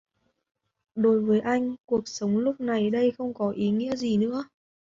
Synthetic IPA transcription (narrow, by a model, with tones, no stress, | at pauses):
ɗo˨˦jvəː˨˦jʔa˧jŋ̟ku˨˩ək̚sə˨˦wŋ͡mlʊ˦˥k͡p̚na˨˩jɗə˧jxə˧wŋ͡mkɔ˨˦ʔi˨˦ŋḭ˧˥əzi˨˩nɨ̰˧˥ə